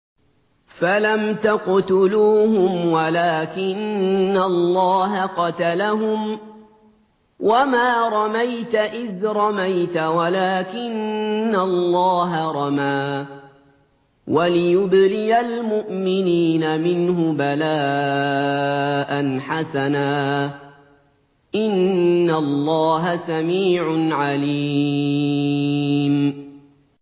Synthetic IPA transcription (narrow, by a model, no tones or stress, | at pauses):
falamt̪aqt̪ʊluːhʊmwalaːkɪnːalˤːɑːɦaqɑt̪alaɦʊm | wamaːɾˤɑmajt̪aʔɪðɾˤɑmajt̪awalaːkɪnːalːɑːɦaɾˤɑmaː | walɪjʊblɪjalmʊʔmɪniːnamɪnɦʊbalaː | ʔanħasanaː | ʔɪnːalːɑːɦasamiːʕʊnʕali | m